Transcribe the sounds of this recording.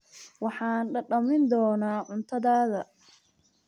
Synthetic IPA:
wɑħɑːnɖɐɖɐmɪnd̪ɔːnaːʕʊnt̪ʰɐðaːðɐ

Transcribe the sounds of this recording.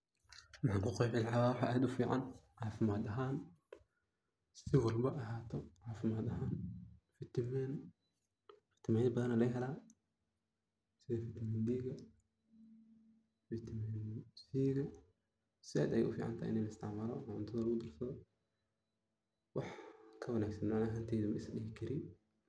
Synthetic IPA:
wɑħɑːŋkʰʊqɛjħɪlʕawawɑħɑ̰ːʔaːd̪ʊfiːʕɑ̰nʕɑːfɪmaːd̪ɐɦaːn | sɪwɑlbɐʔɐɦaːt̪ʰɔʕɑːfɪmaːd̪ɐɦaːnfɪt̪ʰmɛn | fɪ̥t̪ʰɪmaːnɪbɐðɐnɐlɐɦɛlaː | sɪðɐfɪt̪ʰmɛnd̪iːɣɐ | fɪt̪ʰmɛnsiːɣɐ | sɪɛ̰ːd̪ɐjɛ̰ʔʊfiːʕa̰nt̪ʰa̰ːʔɪ̰nɛlɐɪst̪ʰɪʕmaːlɔ̰nʕʊ̰nt̪ʰɐðɐlɐɣʊd̪ɐrsɐðɔ | wɑħkʰɐwɐnaːɡsɐnmɪʕnaːɦaːnt̪ʰɛːðumɐɪsɗɪhɪkʰɐɾɪ

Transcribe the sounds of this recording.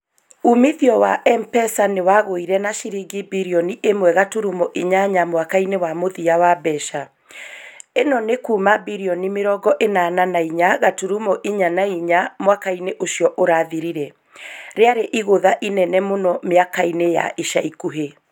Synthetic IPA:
umiðiɔwaʔɛmpɛsanewaɣoiɾɛnaʃiɾiɡibiɾiɔniʔemwɛɣatuɾumoʔiɲaɲamwakainewamoðiawabɛʃa | enɔnekuːmabiɾiɔnimeɾɔɡɔʔenananaiɲaɣatuɾumoʔiɲanaiɲamwakaineʔoɕiɔʔoɾaðiɾiɾɛ | ɾeaɾeʔiɣoðaʔinɛnɛmonɔmeakaineja̰ʔiʃaikuɦe

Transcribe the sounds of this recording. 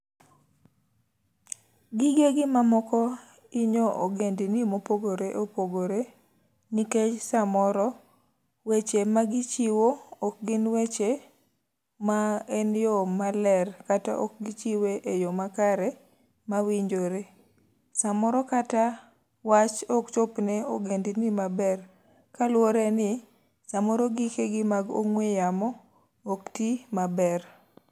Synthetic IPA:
ɡɪɡeɡɪmamɔkɔ | iɲoʔoɡendinimopoɡoɾeʔopoɡoɾe | niket͡ʃsamɔɾɔ | wet͡ʃemaɡit͡ʃiwoːk̚ɡɪnwet͡ʃe | maɛnjomalɛrkata̰ʔɔk̚ɡɪt͡ʃiweʔejɔmakaɾɛ | mawiɲd͡ʒoɾe | samɔɾɔkata | wat͡ʃɔk̚t͡ʃopnɛoɡendɪnimabɛr | kalwoɾɛnɪ | samɔɾoɡikeɡɪmaɡo̰ŋwejamɔ | oktimabɛr

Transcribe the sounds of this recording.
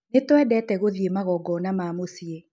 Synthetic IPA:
netwɛdɛtɛɣoðjemaɣɔɡɔnamamosie

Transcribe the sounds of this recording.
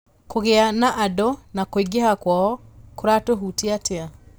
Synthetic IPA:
koɣeanaʔadɔnakoiɡehakwaɔkoɾatoɦuteatea

